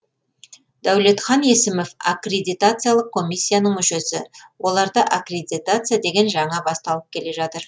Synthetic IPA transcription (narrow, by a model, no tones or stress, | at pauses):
d̪æwle̞t̪χɑne̞sɪmofakrʲe̞d̪ʲijt̪at̪sɨjalˠəq̚kʰo̞mʲijsʲːijanəɴmʏʃe̞sɪwʔo̞lˠɑɾd̪əʔakrʲed̪ʲit̪at̪sɨjad̪e̞ɡʲe̞nʒɑɴɑbɑst̪ɑlˠəp̚kʲʰe̞le̞ʒɑt̪əɾ